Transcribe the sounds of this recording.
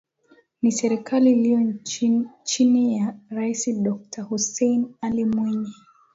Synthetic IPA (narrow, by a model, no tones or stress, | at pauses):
nisɛɾikʰaliːliɔ | t͡ʃinijaɾaisiɗɔk̚tʰahusɛjnalimwɛɲɛ